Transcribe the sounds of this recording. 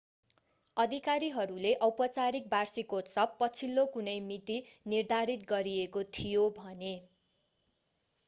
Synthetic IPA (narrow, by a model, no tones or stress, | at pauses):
ʌd̪ʱikaɾiɦʌɾuleʔʌwpʌt͡saɾik̚barsikot̪sʌpːʌt͡sʰilːokunʌjmit̪inird̪ʱaɾit̪ɡʌɾiekot̪ʰijobʱʌne